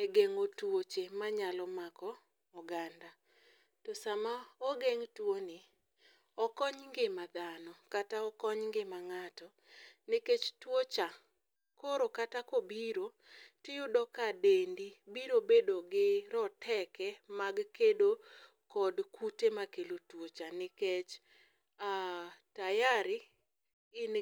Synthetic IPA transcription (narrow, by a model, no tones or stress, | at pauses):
eɡeŋotwot͡ʃemaɲalɔmakɔː | ɡanda | tosamaoɡeŋtwonɪ | ɔkɔɲŋɡɪmad̪anɔkataɔkɔɲŋɡɪmaŋatɔ | nɪket͡ʃtwot͡ʃa | koɾokatakobiɾo | tɪjʊdɔkadendibiɾobedoɡɪɾɔtʰɛkɛmaɡkedo | kɔdkutemakelotwot͡ʃanɪket͡ʃ | atajaɾɪ | ɪn